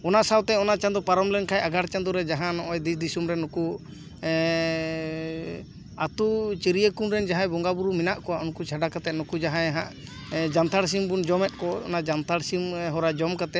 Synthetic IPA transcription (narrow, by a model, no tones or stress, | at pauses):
ɔnaʔsawt̪ɛɔnat͡ʃand̪ɔpaɾɔmlɛnkʰajaɡaɽt͡ʃand̪ɔɾɛd͡ʒaɦãnɔʔɔjd̪isd̪isumɾɛnɔku | at̪ut͡ʃiɾijəkunɾɛnd͡ʒaɦãjbɔŋɡabuɾuminaʔkɔwaʔunkut͡ʃʰaɖakat̪ɛt̪̚nɔkud͡ʒaɦãjɦã̰ʔ | d͡ʒant̪ʰaɽs̬imbund͡ʒɔmɛt̪̚ˀkɔɔ̰nad͡ʒant̪ʰaɽsimɦɔɾad͡ʒɔmkat̪ɛt̪̚